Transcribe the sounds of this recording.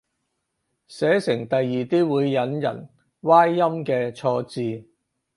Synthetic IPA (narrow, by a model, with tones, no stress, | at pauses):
sɛː˨˥sɪ˨˩ŋt̪ɐ˨jːiː˨t̪iː˥wuː˨˧jːɐ˨˧˥njɐ̰˨˩n | waː˥jːɐ˥mkɛː˧t͡sʰɔː˧t͡siː˧